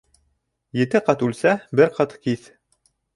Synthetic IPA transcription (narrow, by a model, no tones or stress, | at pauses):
jɘ̆t̪ɘqɑt̪ʉlsæbɘɾqɑt̪kiθ